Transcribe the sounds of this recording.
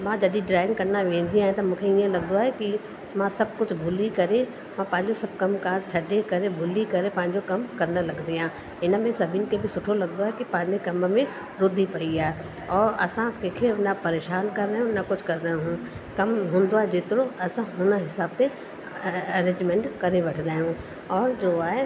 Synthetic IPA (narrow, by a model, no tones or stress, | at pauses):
mãd͡ʑɐɗĩɖɾaːɪ̃ŋɡkɐɾnaʋẽːn̆d̪ĩaːɦj̃t̪ɐmũːkʰeiə̃lɐɡnd̪oaːɦeki | mãsɐb̚kʊd͡ʑʱbʱʊlikɐɾe | mãpɐ̃ɦɪ̃ɲd͡ʑosɐb̚kɐmkaːɾt͡ɕʰɐɗekɐɾebʱʊlikɐɾepɐ̃ɦɪ̃ɲd͡ʑokɐmkɐɾnə̆lɐɡnd̪iãː | ɪnə̆mẽsɐbʱiːnkʰebɪsʊʈʰolɐɡnd̪oaːɦekipɐ̃ɦɪ̃ɲd͡ʑekɐmmẽ | ɾʊd̪ʱːipɐiaːɦe | ɔːɾɐ̰sãkẽːkʰeɐnapɐɾeːʃaːnkɐɾːɐɦjũnɐkʊt͡ʃʰkɐɾd̪ãːɦũ | kɐmɦõːnd̪oaːɦed͡ʒeːt̪ɪɾoɐsãɦʊnəɦɪsaːb̚t̪e | ɐɾẽːd͡ʒmɛ̃ːɳʈkɐɾeʋɐʈʰd̪aːjɦũ | ɔːɾd͡ʒoːaːɦe